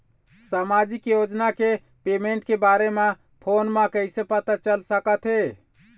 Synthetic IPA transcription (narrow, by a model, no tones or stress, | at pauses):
samad͡ʒikjod͡ʒnake | pemeɳʈkebaɾeme | pʰonmekəɪsẽpət̪at͡ʃəlsəkət̪ʰɦe